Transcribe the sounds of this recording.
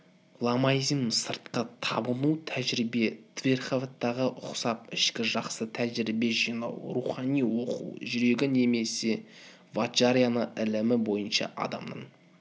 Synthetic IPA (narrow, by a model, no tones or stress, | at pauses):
lˠɑmɑizsəɾt̪qət̪ʰɑ̰bəmut̪ʰæʒɾibe̞t̪ʰvʲe̞rχovet̪ːɑʁəʔʊqsɑp̚ɪʃkʲɪʒɑqsət̪ʰæʒɪɾibe̞ʒijnɑ̰wruχɑnijwo̞qṵwʒʏɾe̞ɡʲɪne̞me̞se̞ | vat͡ʃaɾijanəʔɪlɪmɪbo̞jənʃɑ̰ʔɑ̰d̪ɑ̰md̪ə̰ɴ